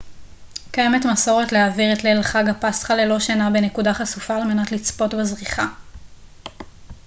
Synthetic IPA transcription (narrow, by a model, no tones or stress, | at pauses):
kaje̞metmaso̞ʁetleaːviʁetlelχaɡapastχalelo̞ʃanabene̞kudaχasufaːlme̞natlit͡spo̞tbezʁiχa